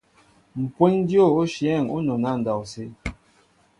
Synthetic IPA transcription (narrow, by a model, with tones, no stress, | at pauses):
m̩˨pwe˦ɲ˦djo˦˨o˦ʃjɛ˦˨ŋo˦nɔ˨na˦˨n̩˨dɔ˨se˦